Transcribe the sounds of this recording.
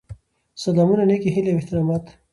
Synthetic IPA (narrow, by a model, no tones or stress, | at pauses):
sɐlamunanekiɦileweht̪ɪɾamat̪